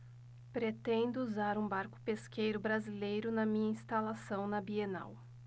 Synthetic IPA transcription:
pɾet̪ẽnd̪ʊuzaɾũbaɾkʊ̥peskejɾʊbɾazilejɾʊnɐmĩɲɐĩst̪alasɐ̃w̃nɐbiena̰w

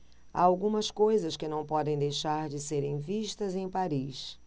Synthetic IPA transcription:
a̰awɡũmɐskojzɐskɪnɐ̃w̃pɔd̪ẽj̃d̪ejʃaɾd͡ʒɪseɾẽj̃viʃt̪ɐzẽj̃paɾis

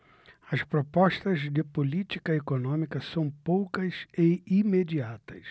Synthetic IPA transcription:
ɐspɾopɔʃt̪ɐzd̪ɪpolit͡ʃi̥kɐekonõmikɐsɐ̃w̃powkɐzɪimed͡ʒiat̪ɐ̥s

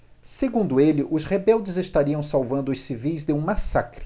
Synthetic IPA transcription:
seɡũnd̪ʊelɪʔʊshebɛwd͡ʒɪzeʃt̪aɾiɐ̃w̃sawvɐ̃nd̪ʊʊssivijzd̪ɪũmasakɾɪ̥

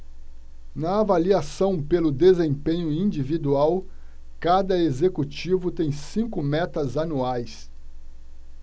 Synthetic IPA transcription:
nɐavaliasɐ̃w̃pelʊd̪ezẽpẽɲʊĩnd͡ʒivid̪uaw | kad̪ɐezekut͡ʃivʊt̪ẽj̃sĩŋkʊmɛt̪ɐzanuajs

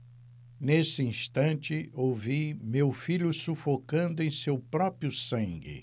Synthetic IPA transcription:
nesɪĩst̪ɐ̃nt͡ʃɪowvimewfiʎʊsufokɐ̃nd̪ʊẽj̃sewpɾɔpɾjʊsɐ̃ŋɡɪ̰

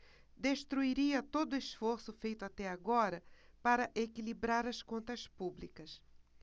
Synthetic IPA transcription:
d̪eʃt̪ɾuiɾiɐt̪od̪ʊesfoɾsʊfejt̪ʊat̪ɛaɡɔɾɐ | paɾɐʔekilibɾaɾɐskõnt̪ɐspublikɐs

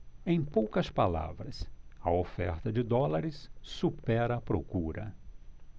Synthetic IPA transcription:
ẽj̃powkɐspala̰vɾɐsɐofɛ̰ɾt̪ɐd͡ʒɪd̪ɔlaɾɪssupɛɾɐːpɾo̰kuɾɐ̰

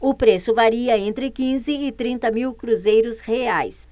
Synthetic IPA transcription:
ʊpɾesʊvaɾiɐẽnt̪ɾɪkĩzɪːt̪ɾĩnt̪ɐmiwkɾuzejɾʊsheajs

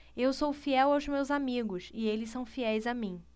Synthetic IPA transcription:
ewsowfiɛwawzmewzamiɡʊsɪelɪssɐ̃w̃fiɛjzamĩ

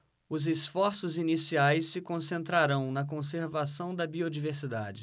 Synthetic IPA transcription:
ʊzesfɔɾsʊzinisiajsːɪkõsẽnt̪ɾaɾɐ̃w̃nɐk̬õseɾvasɐ̃w̃d̪ɐbiod͡ʒiveɾsid̪a̰d͡ʒɪ

